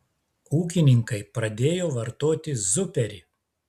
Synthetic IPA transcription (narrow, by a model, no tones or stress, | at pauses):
uːk̬ʲɪnʲɪŋkɐɪpɾɐd̪ʲeːjoːʋɐɾt̪oːt̪ʲɪzʊpʲɛɾʲɪ